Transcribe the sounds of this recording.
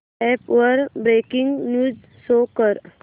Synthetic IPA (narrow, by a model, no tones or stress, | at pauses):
ɛːpʋəɾbɾeːkɪ̃ŋɡnjuːz | soːkəɾ